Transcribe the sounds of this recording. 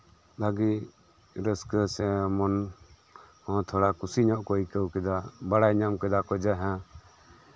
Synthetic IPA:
laɡi | ɾəskəsɛmɔn | hɔ̃t̪ʰɔɽakusiɲɔʔkɔjkəwkɛd̪abaɽajɲamkɛd̪akɔd͡ʒaɦã

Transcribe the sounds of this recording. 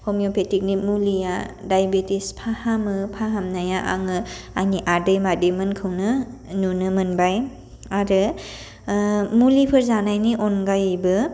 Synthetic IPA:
hɔmjopʰetik̚nimulija | dajbetispʰahamɯpʰaɦamnajaʔa̰ŋɯaniʔadɯjmademɯnkʰɯwnɯnunɯmɯnbaj | aɾɯ | mulipʰɯɾzanajniʔɔnɡajbɯ

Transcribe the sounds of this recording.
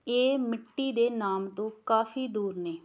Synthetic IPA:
eːmɪʈːiːd̪eːnaːmt̪õːkaːfʰiːd̪uːɾneː

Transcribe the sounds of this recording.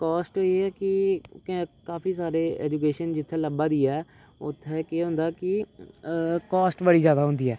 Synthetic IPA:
kɔːsʈoːiɛːkɪ | kaːpiːsaːɾeːɛ̰ːd͡ʒuːkeːʃənd͡ʒɪt̪ʰːeːləbãːd̪iːɛː | ʊ̰t̪ʰːeːkeːɦʊ̃nd̪aːkɪ | kɔːsʈbəɽiːzjaːd̪aːɦʊ̃nd̪iːɛː

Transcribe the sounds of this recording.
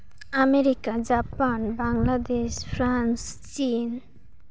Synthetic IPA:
ameɾikad͡ʒapanbaŋɡlad̪eʃpʰɾanst͡ʃin

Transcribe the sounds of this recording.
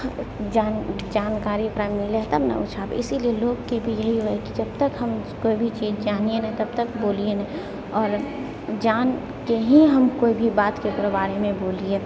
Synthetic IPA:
d͡ʒaːn | d͡ʒaːnkaːɾipɾaːmɪleɦt̪ɐbnɐ̰ʊt͡ʃʰaːbḛɪsilieloːɡkebʱijɐɦiɦoɛkid͡ʒɐbt̪əkɦɐmkoːibʱit͡ʃiːzd͡ʒaːnienɐɦit̪ɐb̚t̪əkboːlien | ɔːɾ | d͡ʒaːn | keɦiɦɐmkoːibʱibaːt̪kekɾobaːɾemẽboːlie

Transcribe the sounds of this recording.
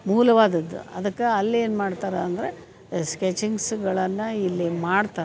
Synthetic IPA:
muːlɐʋaːd̪ɐd̪ːṵɐ̰d̪ɐkːeɐlːe̞ːnmaːɖt̪aːɾɐːnd̪ɐɾe | sket͡ʃiŋɡsɡɐɭɐnːɐilːimaːɽt̪aːɾ

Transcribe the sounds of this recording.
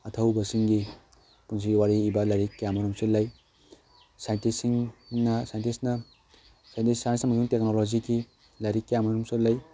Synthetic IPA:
ɐtʰɐwbɐsiŋɡi | puns̬iɡiwaɾiːbɐlajɾikːjamɐɾumsilɐj | sajntisiŋnɐsajntisnɐ | sajntisːajntisnɐmɐsuŋtek̚noloziki | lajɾikːjamɐɾumsilaj

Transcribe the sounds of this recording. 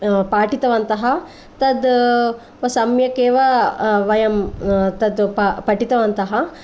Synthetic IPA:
paːʈit̪ɐʋɐnt̪ɐɦɐ | t̪ɐd̪ | ʋɐsɐmjɐkeːʋɐʋɐjɐmt̪ɐd̪papɐʈit̪ɐʋɐnt̪ɐɦɐ

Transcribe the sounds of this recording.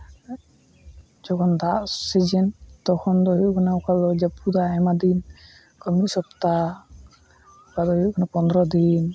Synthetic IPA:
d͡ʒɔkʰɔnd̪aʔsed͡ʒɛnt̪ɔkʰɔnd̪ɔɦikʰɔnaukalɔd͡ʒapud̪aɛmad̪in | kɔmit̪sɔpt̪a | kad̪ɔɦikʰɔnapɔnd̪ɔɾɔd̪in

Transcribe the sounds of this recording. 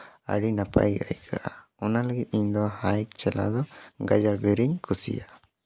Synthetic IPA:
a̰ɽinapa̰ja̰jkʰa̰ʔaɔnaləɡit̪̚iɲd̪ɔhajk̚t͡ʃɛla̰d̪ɔɡad͡ʒaɡiɾiɲkʰusḭja

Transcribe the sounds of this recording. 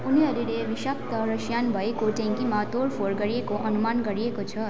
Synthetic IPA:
uniɦʌɾulebisʌp̚t̪ʌɾʌsjanbʱʌekoʈẽŋkimat̪oɾpʰoɾɡʌɾiekoʔʌnumanɡʌɾiekot͡sʰʌ

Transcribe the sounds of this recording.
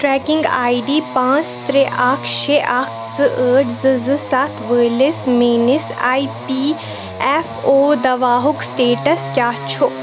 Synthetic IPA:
ʈɾɛːkɪ̃ŋɡaːiɖiːpãːt͡st̪ɾeʔaːkʰʃeʔaːkʰzɨʔəːʈzɨzɨsat̪ʰʋəːlismeːnisaːipiː | ɛfoːd̪ɐʋaːɦʊksʈeːʈɐskʲjaːt͡ʃʰo

